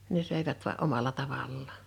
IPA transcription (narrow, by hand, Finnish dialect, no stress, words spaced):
ne søˑiʋæt ʋoɑ ʔomɑlɑ tɑʋɑlːɑː